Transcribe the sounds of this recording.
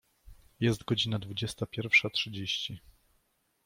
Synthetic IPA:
jɛst̪ɡɔd͡ʑinad̪vud͡ʑɛst̪apʲjɛɾfʂatʂɘd͡ʑeɕt͡ɕi

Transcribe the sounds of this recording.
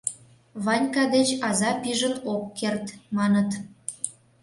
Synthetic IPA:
βɑnʲkɑd̪et͡ɕɑzɑpiʒənokːert̪mɑnət̪

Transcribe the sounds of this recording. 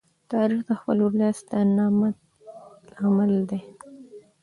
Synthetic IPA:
t̪ɑɾixd̪əxpəlolɑst̪ənɑma | amald̪e

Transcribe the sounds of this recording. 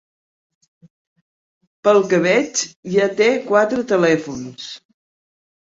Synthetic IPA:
pəlˠkəβɛt͡ʃʒat̪ekwat̪ɾət̪əlɛfuns

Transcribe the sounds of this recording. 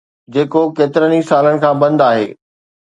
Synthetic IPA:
d͡ʑeːkokeːt̪ɪɾənisaːləɽɪ̆kʰãːbɐ̃nd̪aːɦḛː

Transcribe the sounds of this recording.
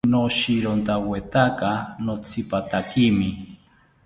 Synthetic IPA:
noʃiɾont̪awet̪akanot͡sʰipat̪akimi

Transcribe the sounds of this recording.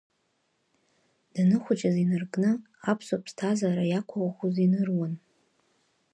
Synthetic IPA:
d̥anɨχʷʊt͡ʃʼazinɨrɡʼnɨ | apʰsopʰstʰazaɾajakʷʰawaχuzinɨrwan

